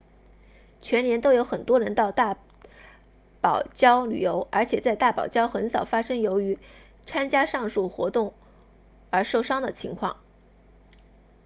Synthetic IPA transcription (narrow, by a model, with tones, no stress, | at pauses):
t͡ɕʰɥɛ˧˥njɛ˧˥nt̪o˥ʊjo˧˥ʊxə˨˩nt̪wɔ˥ɻə˧˥nt̪ɑ˥˧ʊt̪a˥˩ | pɑ˨˩ʊt͡ɕjɑ˥ʊly̰˨˩jo˧˥ʊʔə˞˧˥t͡ɕʰjɛ˨˩t͡sa˥˧ɪt̪a˥˩pɑ˨˩ʊt͡ɕjɑ˥ʊxə˧˥nsɑ˨˩ʊfa˥ʂɤ˥ŋjo˧˥ʊy˧˥ | t͡sʰa˥nt͡ɕja˥ʂɑ˥˧ŋʂu˥˩xwɔ̰˧˥t̪ʊ˥˩ŋ | ə˞˧˥ʂo˥˩ʊʂɑ˥ŋd̪ə˨t͡ɕʰḭ˧˥ŋkʰwɑ̰˥˩ŋ